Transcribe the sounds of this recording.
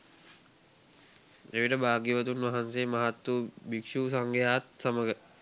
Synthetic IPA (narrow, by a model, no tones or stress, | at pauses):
eʋiʈəbaːɡjiʋət̪unʋaɦanseːmaɦat̪ːubikʂuːsaŋɡʱejaːt̪saməɡə